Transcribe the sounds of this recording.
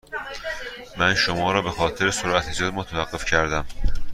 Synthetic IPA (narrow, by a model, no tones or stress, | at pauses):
mænʃomɒːɾɒːbe̞xɒːt̪ʰe̞ɾesoɾʔæt̪ʰed͡ʒɒːd̪emot̪ʰævæɢːe̞fcʰæɾd̪æm